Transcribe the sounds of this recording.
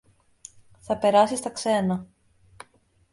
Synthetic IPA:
θɐpe̞ɾɐsist̪ɐkse̞nɐ

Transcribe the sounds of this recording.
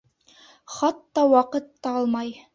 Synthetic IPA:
χɑt̪ːɑwɑqɤt̪ːɑɑlˠmɑj

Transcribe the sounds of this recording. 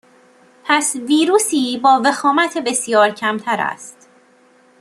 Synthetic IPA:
pʰæsviːɾuːsiːbɒːve̞xɒːmæt̪ʰebe̞sjɒːɾcʰæmt̪ʰæɾæ̰st̪

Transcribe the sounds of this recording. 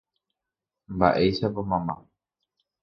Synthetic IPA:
mba̰ʔe̞jʃapomãmã̰

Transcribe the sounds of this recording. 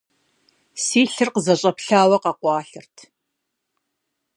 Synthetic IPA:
siːɬɨrqəzɐɕʼɐpɬaːwɐqɐqʷɑːɬɨrtʰ

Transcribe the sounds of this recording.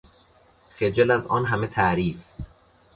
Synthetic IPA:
xed͡ʒelæzɒːnɦæmet̪ʰæʔɾiːf

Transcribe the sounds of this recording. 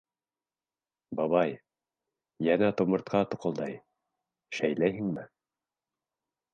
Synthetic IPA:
bɑβɑj | jænæt̪ŏmɤ̆ɾt̪̚qɑt̪ŏqɤ̆lˠd̪ɑj | ʃæjlæjhɘŋmɘ

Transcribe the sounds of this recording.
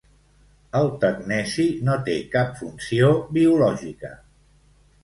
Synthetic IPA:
əlˠt̪əɡnɛsinot̪ekapfunsiobiulɔʒikə

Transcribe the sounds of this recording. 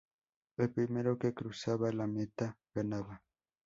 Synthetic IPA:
epɾimeɾokekɾusaβalamet̪aɣanaβa

